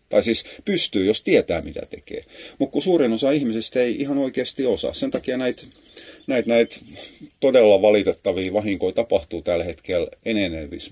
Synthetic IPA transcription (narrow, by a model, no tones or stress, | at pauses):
t̪ɑisiːspyst̪yːjost̪iet̪æːmit̪æ̰t̪ekḛːmukkusuːrinosɑihmisest̪eiihɑnoikeːst̪iosɑ̰ssent̪ɑkiɑnæit̪ | næit̪næit̪t̪odelːɑʋɑlit̪et̪ːɑʋiːʋɑhiŋkoit̪ɑpɑht̪uːt̪ælhet̪keleneneʋḭs